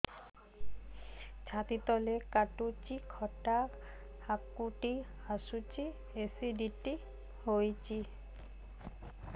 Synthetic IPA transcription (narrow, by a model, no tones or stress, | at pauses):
t͡ʃʰat̪it̪ɔlekaʈut͡ʃikʰɔʈa | hakːuʈi | asut͡ʃi | esiɖiʈi | hojt͡ʃʰi